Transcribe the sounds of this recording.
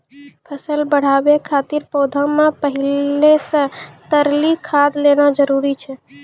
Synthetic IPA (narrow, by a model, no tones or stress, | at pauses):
pʰəsəlbəɽ̤abekʰat̪iɾpod̪ʱəmːepəɦilesə̃t̪əɾlikʰad̪ʱlenad͡ʒəɾuɾit͡ʃʰɛ